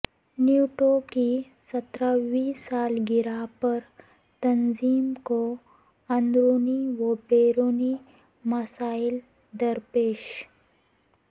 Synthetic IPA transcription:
nuʈoki | sɐt̪ɾaʋiːsaːlɡɪɾapəɾ | t̪ɐnziːmko | ɐnd̪ɾoniʋəbeɾoni | məsaːil | d̪əɾpeːʃ

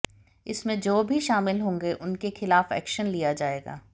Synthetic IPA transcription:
ɪsmẽd͡ʒoːbʱiʃaːmɪlɦõːŋɡeʔʊnkexɪlaːfɛ̰ːkʃənlijad͡ʒaːeːɡa̰ː

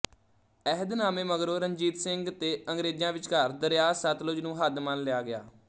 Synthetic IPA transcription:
ɛɦəd̪naːmeːməɡɾoːɾəɲd͡ʒiːt̪sɪŋɡt̪eːəŋɡɾeːd͡ʒjãːʋɪt͡ʃkəɾd̪əɾjaːsət̪lʊd͡ʒnũːɦəd̪mənlɪjaːɡɪa̰ː

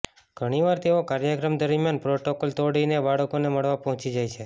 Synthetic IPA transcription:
ɡ̥ʱəɽ̃iʋaɾt̪eokaɾjəkɾəmd̪əɾmjanpɾoʈokolt̪oɽinebaɽəkoneməɭʋapəɦɔ̃t͡ʃid͡ʒajt͡ʃʰe

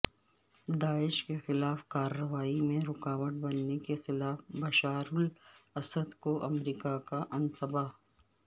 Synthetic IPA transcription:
d̪aːɪʃkexɪlaːfkaːɾːɐʋaːimẽɾʊkaːʋəʈ̚bɐnːekexɪlaːfbɐʃaːɾʊlɐsəd̪koʔɐmɾiːkakaʔɐ̃nt̪ɐbaː

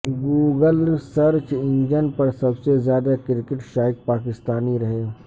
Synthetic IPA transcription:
ɡuːɡəlsɐɾt͡ʃɪ̃nd͡ʒənpɐɾsɐbsezjaːd̪akɪɾɪkɪʈʃaːɪk̚paːkɪst̪aːniɾɐɦeː

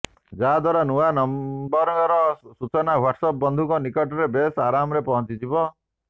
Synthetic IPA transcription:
d͡ʒaɦad̪waɾanuanɔmbɔɾɔɡɔɾɔsut͡ʃɔnawaʈsɔpɔbɔnd̪ʱukɔnikɔʈɔɾebesaɾamɔɾepɔɦɔ̃nt͡ʃid͡ʒibɔ

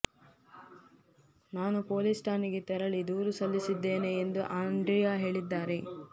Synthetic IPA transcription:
naːnupo̞ːlisʈaːniɡet̪ɛɾɐɭid̪uːɾusɐlːisid̪ːe̞ːne̞ːnd̪uʔaːɳɖɾijaːɦe̞ːɭid̪ːaːɾe

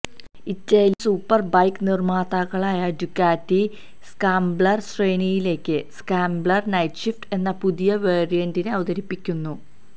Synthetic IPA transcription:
itːɐjilsuːpːɐrbɐjknirmaːt̪aɣɐɭaːjɐdukːaːtːi | skaːmbɭɐrsreːnijile̞ːkːɨskaːmbɭɐrnɐjʈɕifʈe̞nːɐpuðijɐʋe̞ːrijɐndineɐʋuðɐɾipːikʲːunːu

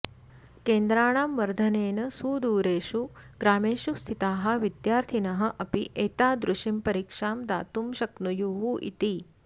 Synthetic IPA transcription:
keːnd̪ɾaːɳaːmʋɐɾd̪ʱɐneːnɐsuːd̪uːɾeːʃuɡ̥ɾaːmeːʃust̪ʰit̪aːɦɐ̆ʋid̪jaːɾt̪ʰinɐɦɐ̆ʔɐpiʔeːt̪aːd̪ɾuʃimpɐɾikʂaːmd̪a̰ːt̪umʃɐknujuːɦuʔḭt̪i

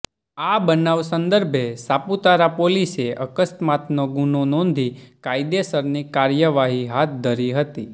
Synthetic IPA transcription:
abənaʋsə̃nd̪əɾbʱesaput̪aɾapoliseəkəsmat̪noɡunonɔ̃nd̪ʱikajd̪esəɾnikaɾjəʋaɦiɦat̪̚d̪ʱəɾiɦət̪i

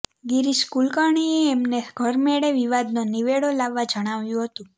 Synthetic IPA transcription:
ɡiɾiskulkaɳ̃ieːmneɡʱəɾmeɽeʋiʋad̪noniʋeɽolaʋːad͡ʒəɽ̃aʋjũɦət̪ũ

